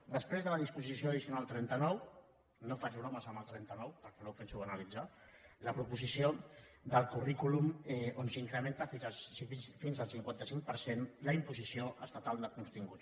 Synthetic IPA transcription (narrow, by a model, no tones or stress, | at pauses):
d̪əspɾezðələðispuzisijoəðisiunalˠt̪ɾɛnt̪ənɔw | nofat͡ʃunɔməzəməlˠt̪ɾɛnt̪ənɔwpəɾkɛnopɛnsuənəlid͡za | ləpɾupuzisio | d̪əlˠkurikulumɛonsiŋkɾəment̪əfisiifinzəlˠsiŋkwant̪əsiŋk̚pəɾsenləimpuzisioʔə̰st̪at̪alˠd̪əkunst̪iŋɡu